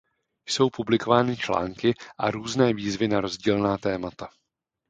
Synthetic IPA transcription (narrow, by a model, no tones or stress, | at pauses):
jso̞wpublɪko̞vaːnɪt͡ʃla̰ːŋkɪʔaɾuːznɛːviːzvɪnaɾo̞zɟiːlnaːt̪ɛːmat̪a